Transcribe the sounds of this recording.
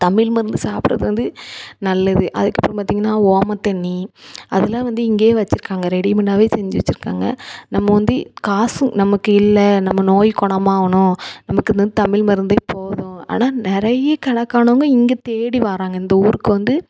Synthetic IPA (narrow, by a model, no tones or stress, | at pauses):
t̪ɐmɪlmɐɾɯnd̪ɯsaːpɯɾɐ̰ðɯʋɐnd̪ɯnɐlːɐðɯʔɐ̰ðɯkːɐpːɾɔ̃mpaːt̪iŋɡɐnːaːoːmɐt̪ːɛɳːiɐðɐlːãːʋɐnd̪ɯɪŋɡeːʋɐt͡ʃːɪɾɯkːaːŋɡɐɾɛɽimɪnaːʋeːsɛɲd͡ʒɯʋɐt͡ʃːɯɾɯkːa̰ːŋɡɐ̰nɐmːɐʋɐnd̪ɯkaːsɯ̃nɐmɐkːɯɪlːɐnɐmːɐnoːjkɔɳɐmaːʋɐɳʊ̃nɐmɐkːɯnd̪ɐnd̪ɯt̪ɐmɪɭmɐɾɯnd̪epoːðʊ̃a̰ːnaːnɪɾɐjɐkɐɳɐkːaːɳɐʋŋɡɐɪŋɡet̪eːɽiʋaːɾaːŋɡɐɪnd̪ɐuːɾɯkːɯʋɐnd̪ɯ